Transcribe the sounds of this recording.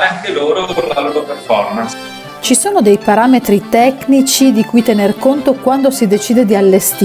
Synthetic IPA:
eaŋkeloːɾolaloːɾoperfɔrmans | t͡ʃisoːnod̪ejpaɾaːmet̪ɾit̪ɛknit͡ʃid̪ikujt̪enerkont̪okwand̪osid̪et͡ʃiːd̪ed̪ialːest̪i

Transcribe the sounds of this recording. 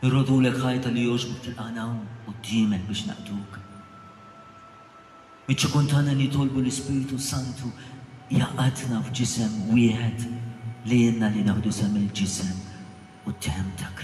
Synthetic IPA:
ɪrːɔd̪uːlɛkħɐjt̪ɐlijɔːd͡ʒbɔk̚t̪ɪlʔɐnɐwmʔʊd̪ːɪːmɛk̚bɪːʃnɐ̰ʔt̪uːk | mɪt͡ʃːɪkunt̪ɐːnɐlːit̪ɔlbulɪspɪːɾt̪usɐnt̪ʰujɐʔɐd̪nɐfd͡ʒɪsɛmwɪːħɛt̪liɪnːɐlinɐħd̪usɛmːɪld͡ʒɪsɛm | ʊt̪ːɛħɛmt̪ʰɐk

